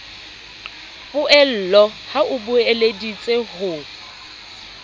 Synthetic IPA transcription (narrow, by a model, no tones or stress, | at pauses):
bʊɛl̩lɔhaʔʊbʊeledit͡sʼehʊ